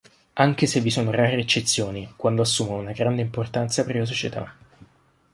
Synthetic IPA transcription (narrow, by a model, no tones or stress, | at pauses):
aŋk̟esevːisoːnoraːɾeːt͡ʃːet̪sːjoːnikwand̪oasːuːmounaɡɾand̪eimport̪ant̪sapɾilos̬ot͡ʃet̪ʰa̰